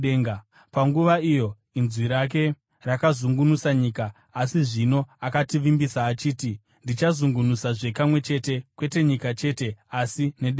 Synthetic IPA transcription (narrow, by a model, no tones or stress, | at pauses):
eŋɡ | paŋɡuʋaijo̞ | inzwiɾak̬e̞ | rakazuŋɡunusaɲiːkaː | siʐino̞akatiʋimbisaːt͡ʃiːti | ndit͡ʃazuŋɡunusaʐe̞kamwe̞t͡ʃe̞ːte̞kwe̞te̞ɲikat͡ʃe̞ːte̞asineɗe